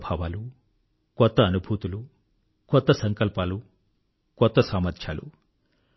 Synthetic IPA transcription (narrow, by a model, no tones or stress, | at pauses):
bʱaːʋaːlu | kɔt̪ːɐːnubʱuːt̪ulu | kɔt̪ːɐsɐŋkɐlpaːlu | kɔt̪ːɐsaːmɐɾt̪ʰja̰ːlṵ